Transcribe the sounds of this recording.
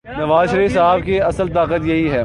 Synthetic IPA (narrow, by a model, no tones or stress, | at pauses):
nɐʋaːzʃɐɾiːfsaːbkeɐsəlt̪aːqət̪jɐɦiɦɛː